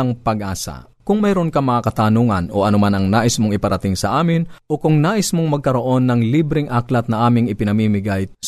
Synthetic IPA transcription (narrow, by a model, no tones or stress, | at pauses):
ɐŋpɐɡ̚ʔa̰ːsɐ̰ | kʊŋmɛːɾonkɐmɐŋakɐt̪aːnuŋɐnʔo̞̰ʔɐnomanɐŋnaːʔɪsmoŋʔɪpɐɾɐt̪ɪŋsɐʔaːmɪnʔo̞kʊŋnaːʔɪsmoŋmɐɡ̚kɐɾo̞ʔo̞nːɐŋlibɾɪŋʔaklɐt̪̚nɐʔaːmɪŋɪpɪnɐmiːmɪɡajs